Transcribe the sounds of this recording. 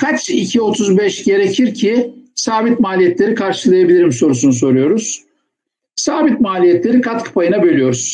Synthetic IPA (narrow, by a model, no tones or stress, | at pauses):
kʰat͡ʃicʰio̞t̪ʰuzbɛʃɟe̞ɾecʰiɾcʰisaːbit̪maːlʲijɛt̪lʲe̞ɾikʰaɾʃɯlˠajabilʲiɾimso̞ɾusunuso̞ɾujo̞ɾuz̥ | saːbit̪̚maːlʲijɛt̪lʲe̞ɾikʰat̪kʰḁpʰajɯnabø̞lʲijo̞ɾuz̥